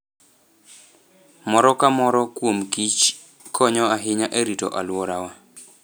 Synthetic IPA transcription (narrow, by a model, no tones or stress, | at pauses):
mɔɾɔkamɔɾɔkwomkit͡ʃ | kʰɔɲɔaɦɪɲaʔeɾitɔ̰ʔalwɔɾawa